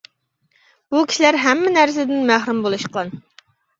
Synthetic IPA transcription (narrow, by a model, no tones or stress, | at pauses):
b̥ukʲʰi̥ʃilæɾɦɛmːɪnæɾs̬ɪd̪ɪnmæhɾumbolˠuʃqʰəlˠɑn